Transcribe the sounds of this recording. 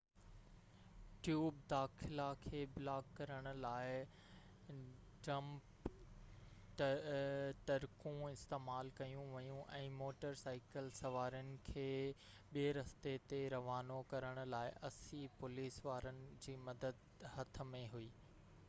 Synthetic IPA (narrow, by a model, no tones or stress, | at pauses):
ʈjuːb̚d̪aːxʰɪlakʰeːblaːkːɐɾəɽ̃ʊ̆laːɪ | ʈɾɐ̃mp | t̪ɐɾkũɪst̪eːmaːlkɐjũʋɐjũʔɛ̃ːmoːʈəɾsaːɪkəlsɐʋaːɾjʊnɪ̆kʰeː | ɓieɾɐst̪et̪eɾɐʋaːnokɐɾəɽ̃ʊ̆laːɪʔɐsipʊliːsʋaːɾənɪ̆d͡ʑiːmɐd̪əd̪ | hɐt̪ʰə̆mẽɦuiː